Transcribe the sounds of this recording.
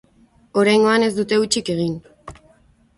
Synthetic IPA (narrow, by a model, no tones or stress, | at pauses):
o̞ɾajŋɡo̞ane̞zd̪ut̪e̞ut͡ʃike̞ɣ̞in